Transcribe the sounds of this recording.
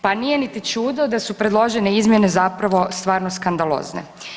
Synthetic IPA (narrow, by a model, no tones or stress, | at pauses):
panije̞nit̪it͡ʃuːd̪od̪asupɾe̞d̪lˠo̞ʒeneizmje̞ne̞zapɾaʋo̞st̪ʋaːɾno̞skand̪alˠo̰ːznḛ